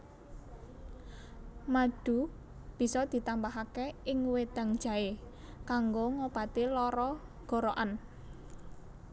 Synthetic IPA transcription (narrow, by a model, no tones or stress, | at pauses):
maɖ̥ṳ | b̥i̤sɔd̪̥i̤t̪ambaɦakeɪŋwed̪̥a̤ŋd̥ʒ̥a̤ekaŋɡoŋobat̪ilɔɾɔɡ̥ɔ̤ɾoʔan